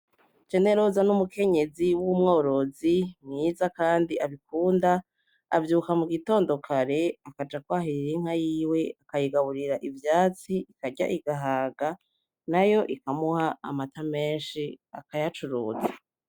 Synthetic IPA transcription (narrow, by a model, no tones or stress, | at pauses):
t͡ʃe̞ne̞ɾozanumuke̞ɲe̞ziwumŋo̞ːɾo̞zimŋiːzakaːndiʔaβikuːnda̰ː | vjuːkamuɡito̞ːndo̞kʰaɾe̞akad͡ʒakwaːɦiɾiɾiŋ̥hajiːwe̞akajiɡaβuɾiɾaʔivjaːt͡siikaɟa̰ʔiɡaɦaːɡa | najo̞ʔikamuha̰ːmatame̞ːnʃia̰kajat͡ʃuɾuːza